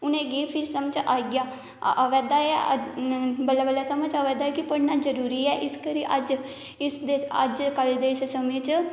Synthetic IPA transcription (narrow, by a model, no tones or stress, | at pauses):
ʊnẽːɡeːppʰɪɾsəmt͡ʃaːɡjaː | ʋɛːd̪aːɛ | bəlabəlːɛːsəmət͡ʃaːʋɛːd̪aːɛːkɪpəɽnaːzəɾuːɾiːɛːʔɪskəɾiːʔəd͡ʒ | ɪsd̪eːə̰d͡ʒkəld̪eːɪssəmẽːt͡ʃ